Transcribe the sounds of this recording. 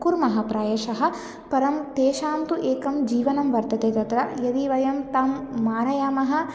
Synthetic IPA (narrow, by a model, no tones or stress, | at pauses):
kuɾmɐɦɐpɾaːjeʃɐɦɐ̆ | pɐɾɐmt̪eːʃaːmt̪uʔeːkɐmd͡ʒiːʋɐnɐmʋɐɾt̪ɐt̪eːt̪ɐt̪ɾɐjɐd̪iʋɐjɐmt̪amː | aːɾɐjaːmɐɦɐ̆